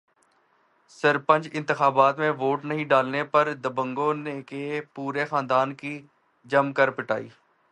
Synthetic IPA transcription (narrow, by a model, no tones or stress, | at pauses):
səɾpə̃ɲd͡ʒɪ̃nt̪ɪxaːbaːt̪mẽʋoːʈnəɦĩɖaːlnepəɾd̪əbə̃ŋɡoːnekepuːɾexãːnd̪aːnki | d͡ʒəmkəɾpɪʈa̰ːḭː